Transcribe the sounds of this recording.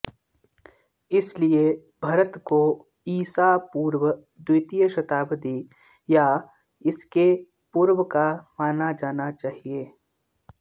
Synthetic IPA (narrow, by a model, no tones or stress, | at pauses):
ɪslie | bʱɐɾət̪ko | iːsapuːɾwə | d̪ʊt̪ijəʃɐt̪aːbəd̪i | ja | ɪske | puːɾwəkamaːnad͡ʒaːnat͡ʃaːɦieː